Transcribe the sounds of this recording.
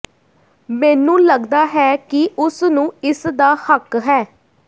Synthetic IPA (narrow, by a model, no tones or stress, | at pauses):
mɛːnũːləɡd̪aːɦɛːkɪʔʊsnũːɪsd̪aːhəkɦɛː